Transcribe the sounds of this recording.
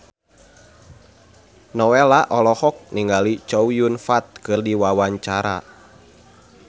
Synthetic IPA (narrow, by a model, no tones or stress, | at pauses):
nɔwelaʔɔlɔhɔk̚niŋɡalit͡ʃowjunfat̪̚kɨrdiwawaɲt͡ʃaɾa̰